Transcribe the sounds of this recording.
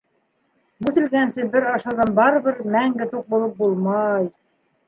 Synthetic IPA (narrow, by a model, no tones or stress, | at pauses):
mʉθɘ̆lɡænsɘbɘɾɑʃɑðɑnbɑɾɤ̆βɘɾmæŋɡɘt̪uq̚bulˠɤp̚bulˠmɑj